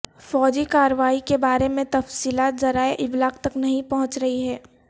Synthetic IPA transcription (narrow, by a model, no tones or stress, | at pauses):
fɔːd͡ʒikaːɾəʋaːikebaːɾemẽt̪ɐfsiːlaːt̪zɐɾaːeʔɪblaːkt̪ɐknɐɦĩpɐɦʊ̃t͡ʃɾɐɦiɦɛː